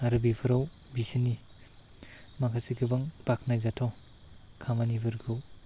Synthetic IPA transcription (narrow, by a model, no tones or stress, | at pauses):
aɾɯbipʰɯɾawbisini | makʰasiɡɯbaŋpakʰnajzatʰɔ | kʰamanibɯɾɡɯw